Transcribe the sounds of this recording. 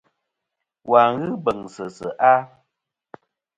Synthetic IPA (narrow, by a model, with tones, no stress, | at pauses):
wa˨ɣɨ˦bə˨ŋsə˨sə̰˨ʔa˦